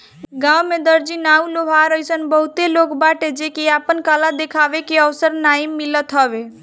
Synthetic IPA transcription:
ɡãwmed̪əɾd͡ʒinauloɦaɾəjsənbəɦut̪eloːkbaʈed͡ʒekeaːpənkalad̪ekʰaʋekeəʋsəɾnaimːilət̪ɦəbe

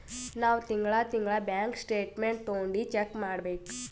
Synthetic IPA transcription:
naːʋt̪iŋɡɭat̪iŋɡɭabjaːŋksʈeːʈmeɳʈ̚t̪oːɳɖit͡ʃekːmaːɽbeːku̥

